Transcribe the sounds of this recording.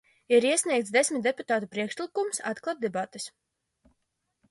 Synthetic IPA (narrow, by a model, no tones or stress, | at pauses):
iɾiɛsʲnʲiɛk̚t̪sd̪ɛsmʲit̪̚d̪ɛput̪aːt̪upɾiɛkʃlˠikumsa̰t̪klˠat̪̚d̪ɛbat̪e̥s